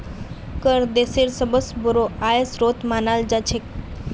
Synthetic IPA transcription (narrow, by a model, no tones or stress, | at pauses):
kəɾd̪eseɾsəbəsbəɾoajesɾot̪manald͡ʑat͡ɕʰek̚